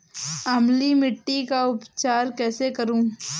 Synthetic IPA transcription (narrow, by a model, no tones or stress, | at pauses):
ɐmlimɪʈːikaʊpt͡ʃaːɾkɛːsekɐɾũː